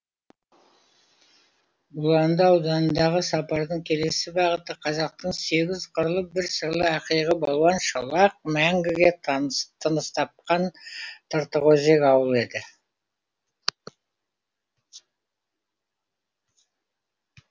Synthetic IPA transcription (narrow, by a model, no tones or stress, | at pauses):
bʊlˠɑnnd̪əɑwd̪ɑnənd̪ɑʁəsɑpɑɾd̪əɴkʲʰe̞le̞sɪbɑʁət̪əqʰɑzɑq̚t̪əɴse̞ɡʲɪzqʰəɾlˠəbɪɾsəɾlˠəɑqijʁəbolˠuɑnʃəlˠɑq̚mæŋɡʲɪɡʲe̞t̪ʰənəst̪ɑp̚qɑnt̪ʰəɾt̪əʁoze̞kɑwəlˠe̞d̪ɪ